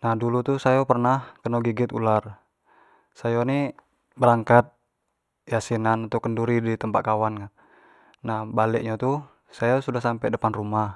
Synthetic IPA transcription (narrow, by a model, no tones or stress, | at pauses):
nahdulut̪usajapərnahkənoɡiɡɪt̪ṵlar | sajoni | bəɾaŋkat̪̚ | jasinanat̪ɔkənduɾidit̪əmpaʔ̪̚kawanka | nahbalɛʔ̚ɲat̪u | sajasudahsampɛdəpanrumah